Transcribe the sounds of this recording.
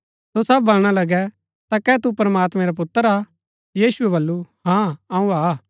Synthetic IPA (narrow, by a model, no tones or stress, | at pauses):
sosɐb̚bɐlɽ̃alɐɡɛ | t̪akɛt̪upɾɐmaːt̪mɛ̃ɾap̬ʊt̪ːəɾa | jiːsuɛbɐlːuɦãɐũaː